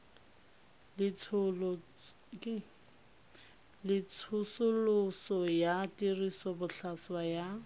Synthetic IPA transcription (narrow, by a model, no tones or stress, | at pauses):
lɪt͡sʰ | lɪt͡sʰʊsʊlʊsɔjatʼirisɔbʊɬʰaswaja